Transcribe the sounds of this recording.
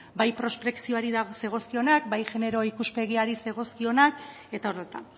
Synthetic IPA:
bajpɾo̞sp̪ɾe̞ksio̞aɾiðaɣose̞ɣ̞o̞skio̞nakbajʝe̞ne̞ɾo̞ikuspe̞ɣ̞iaɾise̞ɣ̞o̞skio̞nak | e̞t̪aoɾðet̪a

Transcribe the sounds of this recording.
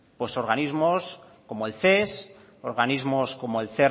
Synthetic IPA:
pwe̞so̞ɾɣanizmos | ko̞moelθes | oɾɣanizmosko̞moelθe

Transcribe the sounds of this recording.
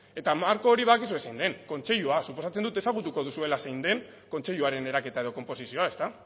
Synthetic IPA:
e̞t̪amaɾko̞ːɾiβaakisuesejnd̪e̞ŋko̞nt͡se̞ʎuasupo̞sat͡se̞nd̪ut̪e̞saɣ̞ut̪uko̞ðusue̞lasejnd̪e̞ŋ | ko̞nt͡se̞ʎuaɾe̞ne̞ɾake̞t̪ae̞ð̞o̞ko̞mpo̞sisio̞ae̞st̪a

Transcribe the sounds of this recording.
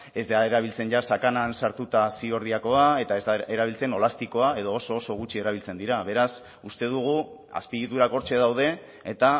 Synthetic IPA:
e̞zd̪aeɾaβ̞ilt͡se̞nʝasakanansaɾt̪ut̪asio̞ɾð̞iako̞ae̞t̪ae̞zd̪aeɾaβ̞ilt͡se̞no̞last̪iko̞ae̞ð̞o̞ːso̞ːso̞ɣ̞ut͡ʃie̞ɾaβilt͡se̞nd̪iɾaβe̞ɾas | ust̪e̞ðuɣ̞u | a̰spiɣit̪uɾako̞ɾt͡ʃe̞ðawðe̞ː | t̪a

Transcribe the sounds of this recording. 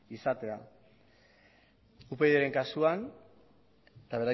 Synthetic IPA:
isat̪e̞a̰ | upe̞ðeɾe̞ŋkasuan | t̪aβe̞ɾa

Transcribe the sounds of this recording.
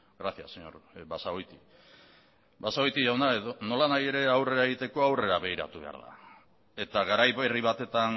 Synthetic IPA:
ɡɾaθia̰seɲo̰ɾβasaojt̪i | basao̞jt̪iʝawnaeðono̞lanaje̞ɾe̞awre̞ɾae̞ɣit̪e̞ko̞awre̞ɾaβe̞iɾa̰t̪uβe̞a̰ɾða̰ | e̞t̪aɣaɾajβe̞riβat̪e̞t̪an

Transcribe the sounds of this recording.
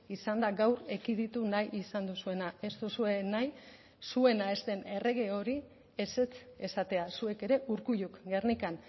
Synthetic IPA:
isand̪aɡawɾe̞kið̞it̪unajʔisand̪usue̞nae̞st̪usue̞naj | sue̞nae̞st̪e̞ne̞re̞ɣ̞e̞o̞ɾi | e̞se̞t͡se̞sat̪e̞asue̞ke̞ɾe̞ʔuɾkuʎukɡe̞rnikan

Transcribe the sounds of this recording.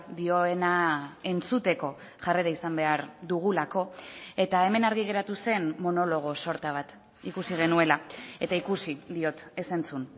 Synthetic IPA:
d̪io̞enae̞nt͡sut̪e̞ko̞ | ʝare̞ɾaisambe̞aɾðuɣ̞ulako̞e̞t̪ae̞me̞naɾɣiɣ̞e̞ɾat̪use̞nmo̞no̞lo̞ɣ̞o̞so̞ɾt̪aβ̞at̪ | ikusiɣ̞e̞nue̞lae̞t̪aikusiðio̞t̪e̞se̞nt͡sun

